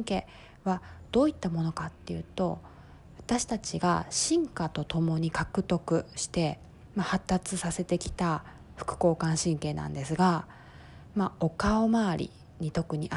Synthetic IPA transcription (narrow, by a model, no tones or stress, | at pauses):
ŋke̞ː | βad̪̥o̞ːit̪ːamo̞no̞kat̪ːe̞jɯ̟ːt̪o̞ | βat̪aɕi̥t̪at͡ɕiɡa̰ɕĩŋkat̪o̞t̪o̞mo̞ɲ̟ikakɯ̟t̪o̞kɯ̟ɕi̥t̪e̞ | mahat̪ːat͡sɨsase̞t̪e̞kʲi̥t̪a | ɸɯ̟̥kɯ̟̥ko̞ːkãɰ̃ɕĩŋke̞ːnã̰nd̪e̞sɨɡa | mao̞kaomaːɾʲḭ | ɲ̟it̪o̞kɯ̟ɲ̟iʔa